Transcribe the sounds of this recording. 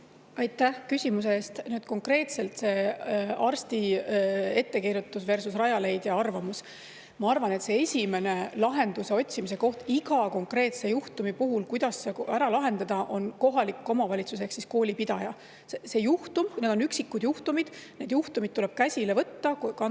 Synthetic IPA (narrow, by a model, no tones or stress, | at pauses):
ɑjt̪ːˑæhkysʲimus̬e̞eːst̪nyːd̪̥ko̞ŋkre̞ːt̪se̞lt̪se̞ːɑrst̪i | e̞t̪ːe̞kiɾut̪ːˑusve̞rsusrɑjɑle̞jd̪̥jɑɑrvɑmus | mɑɑrvɑne̞t̪se̞esʲime̞ne̞lɑɦe̞nd̪̥use̞o̞t̪ʲsimis̬e̞ko̞ht̪iɡɑko̞ŋkre̞ːt̪se̞juht̪umipuɦulkujd̪̥ɑsːekæɾɑlɑɦe̞nd̪ɑd̪̥ɑʔo̞nko̞ɦɑlikːˑo̞mɑvɑlʲit̪sus̬e̞ksisko̞ːlʲipid̪̥ɑjɑ | sese̞juht̪umned̪̥o̞nyksikːud̪̥juht̪umid̪̥ne̞d̪̥juht̪umid̪̥t̪ːule̞b̥kæsʲile̞vɤt̪ːɑkkɑn